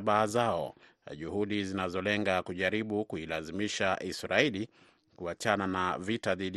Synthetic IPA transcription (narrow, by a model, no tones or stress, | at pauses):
ɓaːzaɔ̰ | ʄuhuɗizinazɔlɛŋɡakuʄaɾiɓukuilazimiʃaʔisɾaili | kuat͡ʃananavitaðiɗi